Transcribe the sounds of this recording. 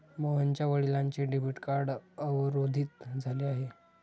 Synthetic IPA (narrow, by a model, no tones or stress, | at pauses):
məɦəɲt͡ɕjaʋəɭilãɲt͡ɕeɖebiʈkaɾɖəʋɾod̪ʱiːt̪d͡zʱaleaɦe